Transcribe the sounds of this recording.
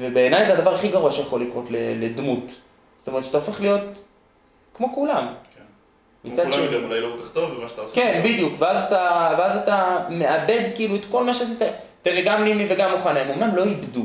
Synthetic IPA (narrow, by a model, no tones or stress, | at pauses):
vebe̞ːnajzead̪avaʁaχiɡaʁuaʃejaχolikʁo̞tleled̪mut | zo̥tometʃat̪aofe̞χlijo̞t̪̚ | kmo̞kulamk | mit͡sadʃeeulajlokolkaχt̪ovbemaʃt̪aoskenbid̪jukveazat̪aveazatameade̞d̪kiiːluet̪ko̞lmaʃezete | t̪eʁeɡamnimiveɡamːuχanemomnamlo̞ibd̪u